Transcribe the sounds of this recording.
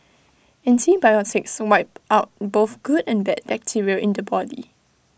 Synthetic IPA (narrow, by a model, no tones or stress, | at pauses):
ɛ̃ntʰibajɔtʰɪkswaɪp̚aʊt̚boθɡ̥udɛ̃nbɛd̚bɛk̚tʰiɹiəʔɪ̃ndəbɔdḭ